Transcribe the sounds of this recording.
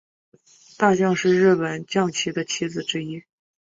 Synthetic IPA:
t̪a˥˧t͡ɕjɑ˥˧ŋʂɻ̩˥˧ɻɻ̩˥˩pə˨˩nt͡ɕjɑ˥˩ŋt͡ɕʰi˧˥d̪ə˧t͡ɕʰi˧˥d͡zɹ̩˨˩ʈ͡ʂɻ̩˥i˥

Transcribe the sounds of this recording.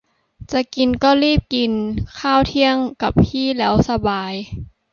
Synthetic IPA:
t͡ɕa˨˩ki˨nkɔː˥˩liː˥˩p̚ki˨nkʰaː˥˩wt̪ʰi˧˥˩əŋka˨˩p̚ʰiː˥˩lɛː˦˥wsa˧baː˨˧j

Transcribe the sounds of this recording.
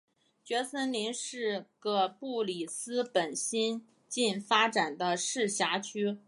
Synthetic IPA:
t͡ɕɥɛ˧˥sə˥nli˧˥nʂɻ̩˥˩ɡə˧˩pu˥˩li˨˩sɹ̩˥pə˨˩nɕi˥n | t͡ɕi˥˩nfa˥ʈ͡ʂa˨˩nd̪ə˦ʂɻ̩˥˩ɕja˧˥t͡ɕʰy˥

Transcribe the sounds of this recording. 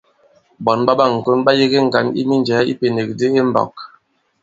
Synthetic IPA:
bɔ˨nɓa˦ɓa˦ŋ̩˨ko˦nba˦je˦ɣe˦ŋ̩˨ɡa˨nḭ˦mi˦nd͡ʒɛː˨˦ḭ˦pe˨ne˨k̚de˦e˦m̩˦bɔ̰˨k̚

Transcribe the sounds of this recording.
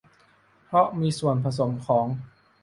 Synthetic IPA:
pʰɾɔ˦˥miː˧su˨˩ənpʰa˧s̬o˩˦mkʰɔː˩˦ŋ

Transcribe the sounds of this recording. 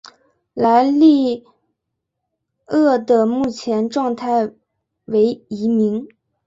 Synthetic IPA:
la˧˥ɪli˥˧ | ɤ˥˩d̪ə˨mu˥˩t͡ɕʰjɛ˧˥nʈ͡ʂwɑ˥˧ŋt̪ʰa˥˩ɪ | we˧˥ɪi˧˥mi˧˥ŋ

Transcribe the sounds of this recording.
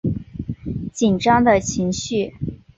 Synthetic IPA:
t͡ɕi˨˩nʈ͡ʂɑ˥ŋd̪ə˨t͡ɕʰi˧˥ŋɕy˥˩

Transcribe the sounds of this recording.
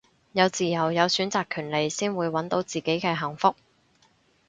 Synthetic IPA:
jɐ˨˧wt͡siː˨jɐ˨˩wjɐ˨˧wsyː˨˥nt͡saː˨kʰyː˨˩nle˨jsiː˥nwuː˨˧jwɐ˨˥nt̪o˨˥wt͡siː˨ke˨˥jkɛː˧ɦɐ˨˩ŋfʊ˥k̚

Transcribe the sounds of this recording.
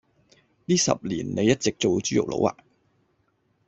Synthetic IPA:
niː˥sɐ̰˨p̚liː˨˩nne˨˧jɐ˥t̚t͡sɪ˨k̚t͡so˨wt͡ʃyː˥jʊ̰˨k̚lo̰˨˧˥wa̰ː˨˩

